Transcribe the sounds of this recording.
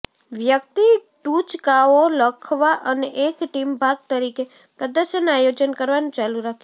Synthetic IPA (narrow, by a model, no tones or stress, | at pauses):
ʋjək̚t̪iʈũt͡ʃkaoləkʰʋaʔəneʔekʈimbʱaɡ̚t̪əɾike | pɾəd̪əɾʃənajod͡ʒənkəɾʋanũt͡ʃaluɾakʰ